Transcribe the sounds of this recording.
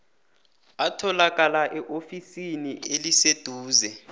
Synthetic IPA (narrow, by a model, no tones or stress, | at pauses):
atʰɔlak̬ʼalaʔɛʔofisinielised̥ʱuːzɛ